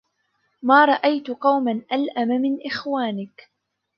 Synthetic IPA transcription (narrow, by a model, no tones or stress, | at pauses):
maːɾˤɑʔajt̪ʊqɑwmanʔalʔamamɪnʔɪxwaːnɪk